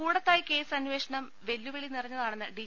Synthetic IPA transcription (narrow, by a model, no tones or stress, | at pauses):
uːɽɐt̪ːaːjike̞ːsɐnʋeːʂɐɳɐm | ʋe̞lːuʋeɭinirɐɲːɐðaːɳenːɨɖi